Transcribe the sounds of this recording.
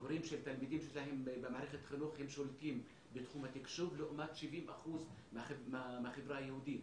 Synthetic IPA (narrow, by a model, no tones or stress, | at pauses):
hʊɾiːmʃelt̪almid̪iːmʃeʃlaɦembɪmaʕɾexet̪xɪluːxhɪmʃolt̪iːm | bɪt̪xuːmat̪ɪkʃuvloʔmaːt̪ʃɪviːmʔa̰xuːz | mmmɪxɪbɾaːjahuːd̪iː